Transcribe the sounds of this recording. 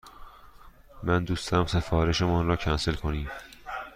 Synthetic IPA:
mænd̪uːst̪æmse̞fɒːɾe̞ʃemɔnɾɒːcʰænselkʰo̞niːm

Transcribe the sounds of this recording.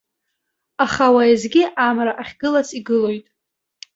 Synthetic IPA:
aχawajizɡʲiʔamraʔaχʲɡɨlasiɡɨlo̞jtʼ

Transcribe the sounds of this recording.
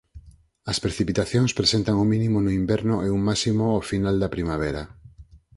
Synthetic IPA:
ɐspɾeθipit̪aθjoŋspɾesent̪aŋomĩnĩmonoimbɛɾnʊʔeuŋmasimoafinald̪ɐpɾimaβ̞eɾa

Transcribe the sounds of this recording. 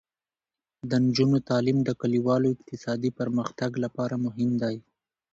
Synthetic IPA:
d̪ənd͡ʒunot̪ɑlimd̪əkaliwɑloɪq̚t̪ɪsɑd̪ipəɾməxt̪aɡlapɑɾamʊɦɪmd̪ɑj

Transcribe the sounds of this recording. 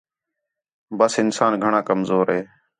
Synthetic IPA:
bəsɪnsaːnɡʱəɳaːkəmzoːɾɦeː

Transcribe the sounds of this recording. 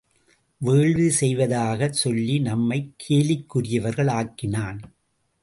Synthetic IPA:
ʋeːɭʋisɛjʋɐðaːɣɐsɔlːinɐmːɐɪkʰːeːlɪkːɯrɪjɐʋɐɾɣɐɭaːkːɪnaːn

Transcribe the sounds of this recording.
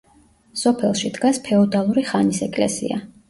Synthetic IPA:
sɔpʰɛlˠʃid̪ɡaspʰɛɔd̪alˠuɾiχanisɛkʼlɛ̰sḭa̰

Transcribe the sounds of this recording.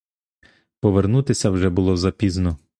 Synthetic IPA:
pɔʋernut̪ɪsʲɐwʒɛbʊlˠɔzɐpʲiznɔ

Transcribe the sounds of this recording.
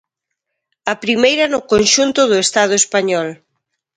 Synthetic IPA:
ɐpɾimejɾɐnʊkonʃunt̪ʊðʊest̪að̞ʊespaɲɔl

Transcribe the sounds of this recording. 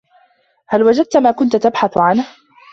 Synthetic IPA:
halwad͡ʒad̪̚t̪maːkʊnt̪t̪abħaθʕanh

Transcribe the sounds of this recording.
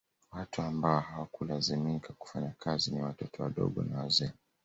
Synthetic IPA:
watuambaɔhawakulazimikʰaku̥faɲakʰaziniwatɔtʰɔwaɗɔ̰ɠɔ̰nawazɛ

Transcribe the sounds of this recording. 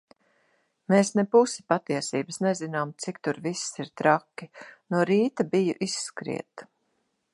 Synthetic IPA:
meːsnɛpusi̥pat̪iɛsiːbəsnɛzinaːmt̪sikt̪uɾvissiɾt̪ɾakʲːinuɔɾiːt̪abijṵʔisːkɾḭɛt̪

